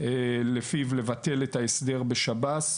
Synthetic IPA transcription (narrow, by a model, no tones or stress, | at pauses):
elefivle̞vate̞letaesd̪e̞ʁbe̞ʃabat